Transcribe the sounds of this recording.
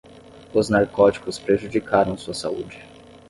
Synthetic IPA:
ʊznaɾkɔt͡ʃi̥kʊspɾeʒud͡ʒikaɾɐ̃w̃suɐsa̰ṵd͡ʒɪ

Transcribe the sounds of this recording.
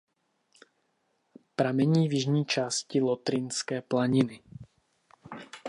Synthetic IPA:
pɾamɛɲiːvjɪʒɲiːt͡ʃaːscɪlot̪ɾɪnskɛːplaɲɪnɪ

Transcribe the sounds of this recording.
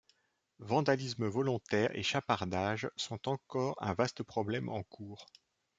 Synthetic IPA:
vɑ̃d̪alisməvɔlɔ̃t̪ɛʁḛʃapaʁd̪aʒsɔ̃t̪ɑ̃kɔʁɛ̰̃vast̪əpχɔblɛmʔɑ̰̃kʰuːʁ

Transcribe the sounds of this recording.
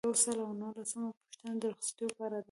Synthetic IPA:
jawsəlawnəhlasəmapʊ̥ʃt̪anad̪əɾxst̪əpɑɾad̪

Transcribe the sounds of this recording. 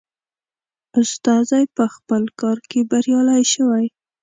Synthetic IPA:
ʊst̪ɑzajpəxpəlkɑɾkebaɾjɑlajʃəwaj

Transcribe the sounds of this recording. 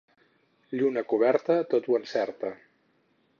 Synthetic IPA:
ʎunəkuβ̞ɛɾt̪ət̪ot̪wənsɛɾt̪ə

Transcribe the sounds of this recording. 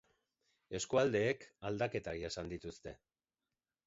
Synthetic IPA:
e̞skuald̪e̞ːkald̪ake̞t̪aɣiesand̪it̪ust̪e̞

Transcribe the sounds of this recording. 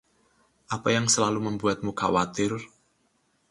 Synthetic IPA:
ʔapajaŋsəlaluməmbuat̪̚mukawat̪ɪr

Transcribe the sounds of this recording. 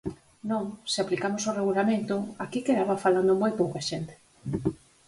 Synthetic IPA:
nõŋsɪaplikamosoreɣulamẽnt̪ʊakikeðaβafaland̪ʊmojpowkaʃent̪e̥

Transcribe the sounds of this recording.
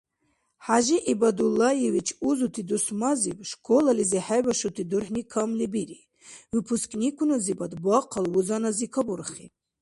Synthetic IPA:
ħaʒiʔibad̪ulːajɛvit͡ʃʰuzut̪ʰid̪usmazibʃkʰʼɔlaliziħajbaʃut̪ʰid̪uɾħnikʰamlibiɾi | wipʰuskʰʼnikʰunazibad̪baqʰalwuzanazikʰabuɾχi

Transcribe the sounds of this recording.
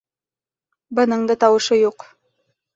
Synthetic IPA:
bɤ̆nɤɴd̪ɤt̪ɑwɤ̆ʃɤjuq

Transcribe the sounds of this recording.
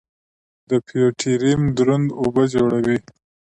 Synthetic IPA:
d̪əpʰijoʈʰiɾimd̪ɾʊnd̪obəd͡ʒoɽawi

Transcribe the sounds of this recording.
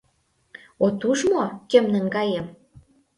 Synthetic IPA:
ot̪uʃmokømnə̆nɡɑjem

